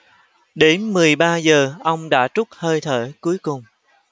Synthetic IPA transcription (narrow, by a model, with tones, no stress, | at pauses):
ɗe˨˦nmɨ˨˩əjɓaː˧zəː˨˩ʔə˧wŋ͡mɗa̰ː˧˥t͡ɕʊ˦˥k͡p̚həː˧jt̪ʰə˧˩ku˨˦əjkʊ˨˩ŋ͡m